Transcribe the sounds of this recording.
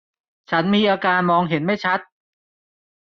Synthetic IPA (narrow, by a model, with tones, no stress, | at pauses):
t͡ɕʰa˦˥nmiː˧ʔaː˧kaː˧nmɔː˧ŋɦe˩˦nma˥˩jt͡ɕʰa˦˥t̪̚